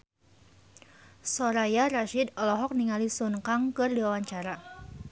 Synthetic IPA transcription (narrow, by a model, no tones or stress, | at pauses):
sɔɾajaraʃidɔlɔɦɔk̚niŋalisunkaŋkɨrdiwawaɲt͡ʃaɾa